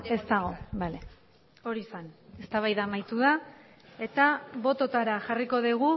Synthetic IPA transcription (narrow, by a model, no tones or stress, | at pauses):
e̞st̪aɣ̞o̞bale̞ | o̞ɾiːsane̞st̪aβajðamajt̪uða | e̞t̪aβo̞t̪o̞t̪aɾaʝariko̞ðiɣ̞u